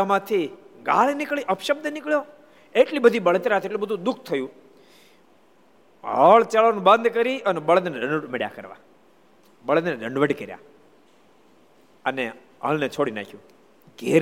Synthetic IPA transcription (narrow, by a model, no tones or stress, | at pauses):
amãt̪ʰiɡa̰lenɪkɭiʔəpʃəb̚d̪ʱənɪkɭjo | eʈlibəd̪ʱibəɭət̪ɾat̪ʰeʈlibəd̪ʱũd̪ʊk̚ʰt̪ʰəjũ | ɦəɭt͡ʃalʋanũbə̃nd̪ʱkəɾiʔənebəɭəd̪neɖəɳɖəʈmeɽja̰kəɾʋa̰ | bəɭəd̪ned̪əɳɖʋəʈkəɾja̰ | əne | ɦə̰ɭnet͡ʃʰoɽinã̰kʰjũ | ɡeɾ